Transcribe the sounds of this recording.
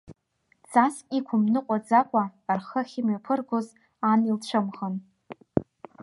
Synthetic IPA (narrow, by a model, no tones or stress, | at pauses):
d͡zaskʼikʷʰʊmnɨqʷʼad͡zakʷʼaːrχəχʲɪmɥapʰɨrɡʷoz | anilt͡ɕʷʰɨmʁən